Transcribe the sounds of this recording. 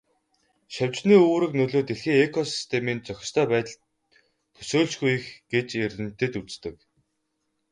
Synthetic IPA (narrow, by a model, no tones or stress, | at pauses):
ʃawʲt͡ɕniːuːɾɘ̆knɵɮoːt̪eɮxiːekʰɔsi̥st̪ʰemiːnt͡sœxʲɪ̥̆st̪ʰœːpæːt̪ə̆ɮt̪ | p̪ʰɵ̥soːɮt͡ɕɡuj̆xɡ̥et͡ɕerɘ̆n̥t̪ɘ̆t̪ut͡st̪ɘ̆k